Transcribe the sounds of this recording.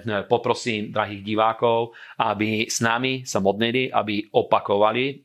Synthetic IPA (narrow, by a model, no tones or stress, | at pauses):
pɔpɾɔsiːmd̪ɾaɦiːɣɟiʋaːkɔʊ | abisnamisamɔd̪niliʔa̰biɔpakɔʋali